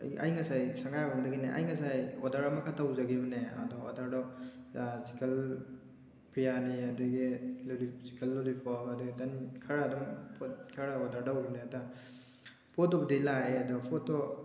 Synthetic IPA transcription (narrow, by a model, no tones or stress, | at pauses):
a̰jŋasajsaŋɡajabamdaɡineʔa̰jŋasajɔdaɾamakʰatʰawzaɡibɐnea̰dɔɔ̰daɾdɔ | si̥kʰal | pʰɾijaniadɔɡilɔlisikʰalːɔlipʰɔkadɔɡitankʰaɾadɔmpʰɔtkʰaɾaɔdaɾdawɾneada | pʰɔt̚ːɔb̚delaeadɔpʰɔtːɔ